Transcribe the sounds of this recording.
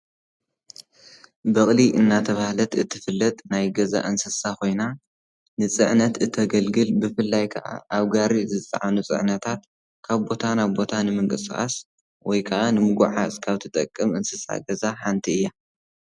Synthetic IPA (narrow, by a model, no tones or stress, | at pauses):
bɐχʼliʔɨnːat̪ʰɐβahlɐt̪ɨt̪ʰːɨfɨlːɐt̪ʼnajɡɐza̰ʔɨnsɨsakʰo̞jna | nɨt͡sʼɨʕnɐt̪ɨt̪ʰːɐɡɐlɡɨlbɨfɨlːajkʰɐ̰ʔa̰ʔaβɡaɾizɨt̪ʼɐ̰ʕanut͡sʼɨ̰ʕnɐt̪ʰat̪̚ | kʰaβbo̞t̪ʰanaβbo̞t̪ʰanɨmɨŋkʼɨsxʼa̰s | wɔjkʰɐʔanɨmɨɡuʕaskʰaβt̪ʰɨt̪ʼɐkʼːɨmɨnsɨsa̰ɡɐzaħant̪ʰiɨjːa